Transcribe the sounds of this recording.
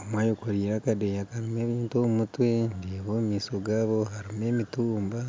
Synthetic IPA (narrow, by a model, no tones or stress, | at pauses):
omwaːjokoɾiːɾakadejakaɾime̞ːβiːntomutwendeːβoːmiːsoɡaːβo̞ɦaɾime̞ːmituːmba